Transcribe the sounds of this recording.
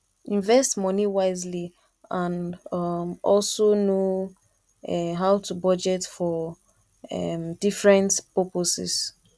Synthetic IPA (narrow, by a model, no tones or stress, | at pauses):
ĩɱvɛstmɔniwaɪzli | ãn | ɔlsono | ɦawtʰubɔd͡ʒɛtfɔ | ɛ̰d̥ifɹɛ̃ntpɛposɛ̰s